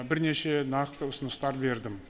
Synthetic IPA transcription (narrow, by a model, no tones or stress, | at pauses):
bɪɾne̞ʃe̞nɑqt̪əʊsənəst̪ɑɾbe̞ɾd̪ɪm